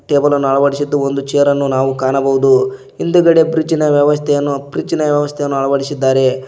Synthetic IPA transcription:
ʈeːbɐlɐnːuɐɭɐʋɐɽisid̪ːuond̪ut͡ʃɛjɐɾɐnːunaːʋukaːnɐbɐʋud̪u | ind̪uɡɐɽe̞bɾid͡ʒinɐʋjɐʋɐst̪ʰɛjɐnːubɾid͡ʒinɐʋjɐʋɐst̪ʰɛjɐnːuɐɭɐʋɐɽisid̪ːaːɾe̞

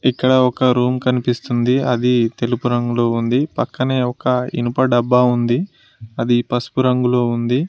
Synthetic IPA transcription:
ikːɐɽɐɔkɐɾuːmkɐnipist̪und̪iɐd̪it̪e̞lupuɾɐŋɡulo̞ːund̪ipɐkːɐne̞ːɔkɐḭnupɐɖɐbːaːund̪i | ɐd̪ipɐsu̥puɾɐŋɡulo̞ːund̪i

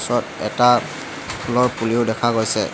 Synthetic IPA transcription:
sɔtɛ̰ta | pʰulɔɹpuliʊdɛkʰaɡojsɛ̰

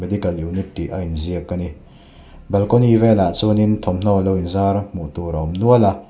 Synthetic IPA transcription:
mɛd̪ikɐliwnit̪̚ːiʔainziəkːani | bɛlkɔnivɛlat͡sunint̪ʰɔmn̥ɔlɔwinzaɾmuʔt̪uɾɔmnuəla

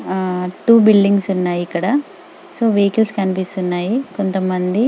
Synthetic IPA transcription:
ʈuːbilɖiŋɡsunːaːjiikːɐɽɐ | so̞ːʋejkilskɐnipist̪unːaːjikont̪ɐmːɐnd̪i

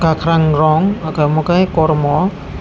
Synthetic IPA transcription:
kakʰɾaŋɾɔŋakamokajkɔɾmɔ

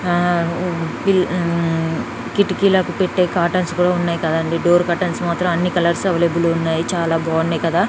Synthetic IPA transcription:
pil | kiʈːikilɐkupeʈːeːkaːʈɐnskuːɽaːunːaːjikɐd̪ɐɳɖiɖo̞ːɾkaːʈɐnsmaːt̪ɾɐmɐnːikɐlɐɾsɐʋɐlebuluunːaːjit͡ʃaːlaːbaːnːekɐd̪aː

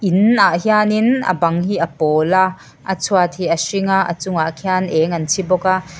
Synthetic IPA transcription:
ʔinaʔhianinɐ̰bɐŋɦiːʔɐpɔːla | ʔɐt͡sʰuat̪̚hiːɐsiŋaʔɐ̰t͡sʊŋaʔkʰianʔɛːŋɐnt͡sʰibɔka

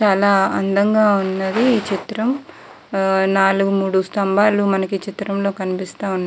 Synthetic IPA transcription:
t͡ʃaːlaːɐnd̪ɐŋɡaːunːɐd̪iːt͡ʃit̪ɾɐm | naːluɡumuːɽust̪ɐmbaːlumɐnɐkit͡ʃit̪ɾɐmlo̞ːkɐnipist̪aːunːa

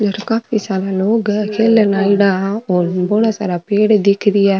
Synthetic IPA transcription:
d͡ʒɐɾkaːpisaɾaloːɡkʰeːlnalɖaoːɾboːɽasaɾapeːɽd̪ikʰːɾijaː

